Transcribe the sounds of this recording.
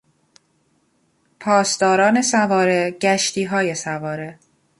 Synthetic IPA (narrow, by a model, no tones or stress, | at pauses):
pʰɒːsd̪ɒːɾɒːne̞sævɒːɾe̞ɟ̥æʃt̪ʰiːɦɒːje̞sævɒːɾe̞